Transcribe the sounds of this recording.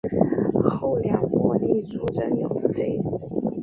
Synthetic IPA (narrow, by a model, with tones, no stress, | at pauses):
xo˥˩ʊljɑ˨˩ŋmwɔ˧˥t̪i˥˩t͡su˧˥ʈ͡ʂə˥˩njo̰˨˩fe˥˧ɪs